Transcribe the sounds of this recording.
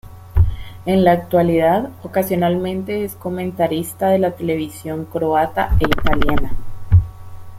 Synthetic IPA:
e̞nlaːk̚t̪waliðaðo̞kasjonalmẽ̞nt̪e̞esko̞mẽ̞nt̪aɾist̪aðe̞lat̪e̞le̞β̞isjo̞ŋkɾo̞at̪aeit̪aljana

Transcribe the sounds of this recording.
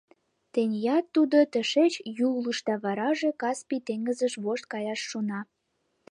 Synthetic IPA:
t̪enʲjɑt̪ːud̪ot̪ə̆ʃet͡ɕjuləʃt̪ɑβɑɾɑʒekɑspit̪eŋɡəzəʃβoʃt̪̚kɑjɑʃːonɑ

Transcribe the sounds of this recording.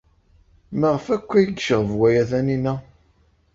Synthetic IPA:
məʁəfækʷːæjəɡʃəʁəvwæjæθæninæ

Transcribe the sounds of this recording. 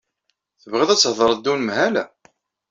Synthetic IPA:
θəvʁiðˤæt͡sːhðˤəɾˤd̪ːunmhælæ

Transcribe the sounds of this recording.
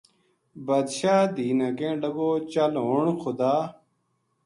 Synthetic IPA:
bɐd̪ɕaːd̪iːnɐkẽːɖɐɡoːt͡ɕɐlɦoːɳxʰʊd̪aː

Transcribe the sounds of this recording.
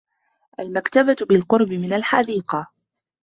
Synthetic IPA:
ʔalmakt̪ababɪlqʊɾbɪmɪnalħɑd̪iːqɑ

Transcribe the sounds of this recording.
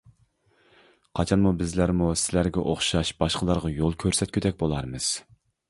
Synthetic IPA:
qʰɑt͡ʃʰɑnmubɪzlæɾmusɪlæɾɡʲɛ̰ʔoχʃɑʃbɑʃqəlˠɑɾʁɑjolˠkʲʰøɾsɛt̪̚kʲʰyd̪ɛk̚ʲbolˠɑɾmɨz̥

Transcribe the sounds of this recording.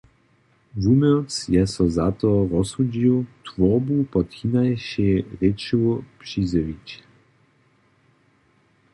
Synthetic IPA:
vumɔt̪sjɛsɔzat̪ɔɾɔsud͡ʑiwt̪vɔbupɔt̪xinajɕeʁet͡ʃuwpʂizəvʲit͡ɕ

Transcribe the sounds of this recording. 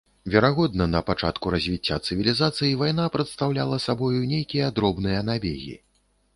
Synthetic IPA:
vʲɛɾaɣɔd̪̚nɐnɐpat͡ʂa̰t̪kuɾɐzʲvʲit͡sʲːa̰t̪sɨvʲilʲizat̪sɨjivajnapɾɐt̪st̪awlʲalˠɐsabɔjunʲejkʲijɐd̪ɾɔbnɨjɐnabʲḛɣʲḭ

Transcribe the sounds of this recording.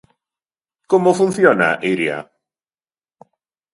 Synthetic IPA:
kɔmɔfunθjɔna̰ʔeɾia̰

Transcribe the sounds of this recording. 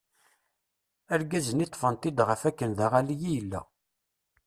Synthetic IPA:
æɾɡæzənit̪ˤːfənt̪id̪ʁəfækːənðæʁælijijəlːæ̰

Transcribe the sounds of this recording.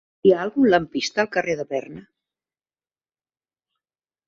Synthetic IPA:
iaːlˠɣunləmpist̪əːlˠkəreðəβɛrnə

